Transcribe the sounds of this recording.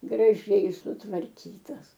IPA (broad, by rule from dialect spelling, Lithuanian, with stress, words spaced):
ɡrɐˈʒʲɛɪ sʊtʋɐrʲˈkʲiːtɐs